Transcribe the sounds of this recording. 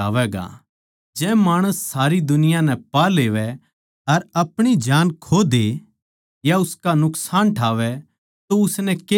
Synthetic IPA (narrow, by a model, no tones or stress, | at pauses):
aːʋɛɡa̰ | d͡ʒɛ̃ːmaːɽ̃əsːaːɾid̪ʊnɪjãnɛ̃paleːʋɛ | ɐɾɐpɽ̃id͡ʒaːnkʰoːd̪e | jaʊskanʊksaːnʈʰaːʋɛ | t̪oʊsnɛke